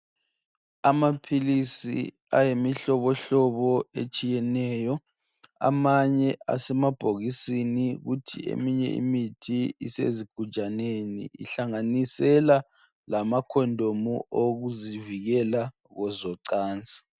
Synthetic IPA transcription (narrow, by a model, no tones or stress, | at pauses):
amapʰilisḭ | a̰jemiɬɔβɔɬɔβɔḛt͡ʃʼijɛnɛjɔ | a̰maɲɛa̰sɛmab̥ʱoɣisiniɣutʰḭḛmiɲɛ̰ḭmitʰiḭsḛziɡ̥ʱud̥ʒ̥ʱanenḭḭɬaŋanisɛla | lamakʰɔndʱomuʔoɣuziviɣɛla | ɣɔzɔǀaːnt͡sʼi̥